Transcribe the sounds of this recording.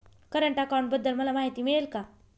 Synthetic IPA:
kəɾəɳʈakawɳbəd̪ːəlməlamaɦit̪iːmiɭelka

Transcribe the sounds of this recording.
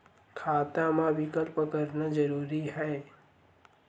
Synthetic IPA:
kʰaːt̪amãʋɪkəlpəkəɾnazəɾuːɾiɦɛː

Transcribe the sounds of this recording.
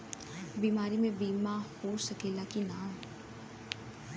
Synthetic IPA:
biːmaːɾimẽbiːmahoːsəkeːlakinaːm

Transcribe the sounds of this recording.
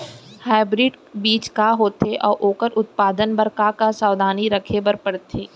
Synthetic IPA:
haːɪbɾiːɖbiːt͡ʃkaɦoːt̪eʔɔːɾʔoːkəɾʊt̪̚paːd̪ənbɐɾkakasaːʋd̪ʱaːniɾɐkʰebɐɾpɐɽt̪ʰeː

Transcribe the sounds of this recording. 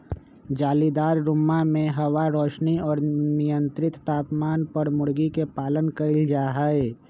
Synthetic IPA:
d͡ʒaːlid̪aːɾːʊmːamẽɦəwaɾɔːʃniɔːɾnijənt̪ɾɪt̪ːaːpmaːnpəɾmʊɽɡikepaːlənkəɪld͡ʒaːɦəe

